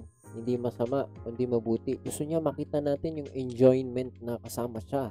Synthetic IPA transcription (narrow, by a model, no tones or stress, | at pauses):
hɪnd̪imɐsɐmaʔkʊnd̪imɐbuːt̪ɪɡ̥ʊst̪oɲamɐkiːt̪ɐnaːt̪ɪnjʊŋɛnd͡ʒojnmɛnt̪̚nɐkɐsaːmɐʃa